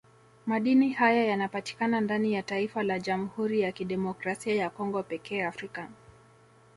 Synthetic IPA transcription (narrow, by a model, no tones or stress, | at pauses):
maɗinihajajanapati̥kanandanijataifalaʄam̩huɾijakiɗɛmɔkɾasiajakɔŋɡɔpɛkɛːafɾika